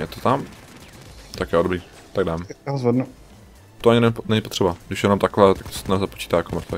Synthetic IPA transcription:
jɛt̪ot̪am | t̪akjɛodobɾiː | t̪aɡ̚daːmɛɦozvɛdnu | t̪oʔaɲɪnɛɲnɛɲɪpot̪r̝̥ɛbaɡdɪʃjɛnomt̪akovɛːt̪akt̪o̥sɛ̥t̪nzapot͡ʃi̥ːt̪aːjakomɾ̩t̪vɛ̰

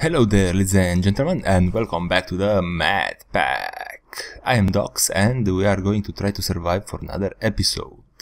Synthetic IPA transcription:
hɛlowd̪ɛɾlizɛ̃nd͡ʒɛ̃nt̪ɛlmãnɛ̃nd̪wɛlkɔ̃mbæk̚t̪uðəmæ̰d̪pæ̰kajɛ̃md̪ɔ̰ksɛ̃nd̪wiaɾɡoĩŋt̪ut̪ɾajt̪usəɾvajvfɔɾana̰ðəɾɛpiso̰wd̥

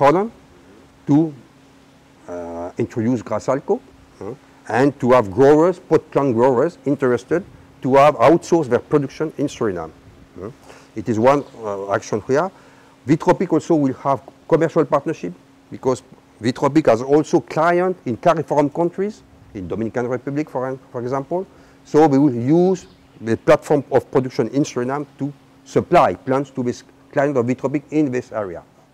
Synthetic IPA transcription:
hɔlɔ̃n | tu | ĩntʰɹɔdjus̬ɡʁasalko | ɛ̃ntuavɡɹɔɹəspɔtplɔ̃nɡɹɔɹəzĩntɛɹɛstɛd̚ | tuavawtsɔsvɛpɹɔdukʃɔ̃nĩnsɔɹinã̰m | itizwãna̰kʃɔ̃nhi | ðitʁɔpikɔlsowilhavkɔmɛɹʃalpaɹtnəʃip̚ | bikɔz | ðitʁɔp̬ikhazɔlsokʰlajə̃ntĩnkaɹifɔɹmkɔ̃ntɹiz | ĩnd̪ɔmĩnikãnɹɛpʉblikfɔ̃fɔɹɛɡzãmpɔl | sowiwiljuz | ðəplatfɔɹmɔvpɹɔdukʃɔ̃nĩnsuɹinãmtu | səplajplãntstuðis | klajɛ̃ntɔvðit̪ʁɔp̬ikĩnðisɛɹia̰

